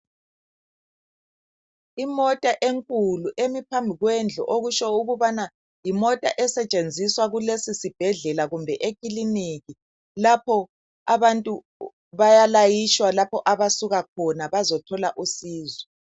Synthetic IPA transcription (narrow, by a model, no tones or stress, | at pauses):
imɔtʼaʔeŋkʼuluʔemipʰambʱiɣwɛnd͡ɮʱɔ̰ʔoɣut͡ʃɔuɣuβana | jimɔtʼaʔɛsɛt͡ʃʼend͡zʱiswaɣulesisib̥ʱɛɮɛlaɣumbʱɛʔekʼiliniɣi | lapʰɔ | aβantʼu | βajalajit͡ʃwalapʰɔʔaβasuɣak̚ʰɔnaβazɔtʰɔlaʔusiːzɔ